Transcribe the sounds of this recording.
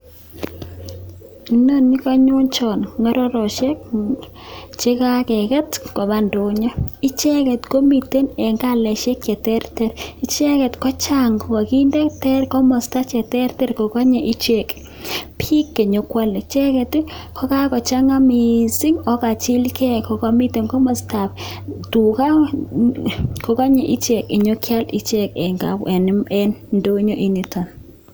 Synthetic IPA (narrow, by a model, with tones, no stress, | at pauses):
i˨no˦ni˦ka˦ɲo˦nt͡ʃɔ˨nŋɔ˦ɾɔ˦ɾɔ˨ʃɛ˦k̚ | t͡ʃe˦ka˦kɛ˨kɛ˦tko˨βa˦ndo˨˦ɲɔ˦i˦t͡ʃɛ˦kɛ˨tko˦mi˨te˦nɛ˨ŋɡa˦lɛ˨ʃɛ˦kjɛ˨tɛ˦rtɛ˦ɾi˦t͡ʃɛ˦kɛ˨tkɔ˦t͡ʃaŋɡka˨ki˦ndɛ˦ktɛ˦rkɔ˦mɔ˨sta˦t͡ʃɛ˨tɛ˦rtɛ˦ɾko˨kɔ˦ɲɛ˨ʔi˦t͡ʃe˦˨k | pʰi˦kːe˨ɲo˦kwa˦le˨t͡ʃɛ˦kɛ˨tkʰɔ˦ka˦kɔ˨t͡ʃa˦ŋa˦mi˨si˦ŋɔ˦ka˨t͡ʃɪ˦lkɛ˦˨kɔ˨kɔ˦mi˦te˨ŋkɔ˦mɔ˨sta˨p | tu˨ka˦ | kɔ˨ka˦ɲɛ˨ʔi˦t͡ʃe˨kɪ˨ɲo˦kʰja˦li˨˦t͡ʃe˦kɛ˨ŋɡa̰˨bɛ˨n˦mɛ˦nndo˦ɲo˦ʔi˨ni˨tɔ˨n